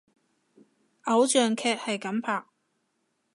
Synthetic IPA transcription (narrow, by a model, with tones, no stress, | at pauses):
ʔɐ˨˥wt͡ʃœː˨ŋkʰɛː˧k̚hɐ˨jkɐ˨˥mpʰaː˨k̚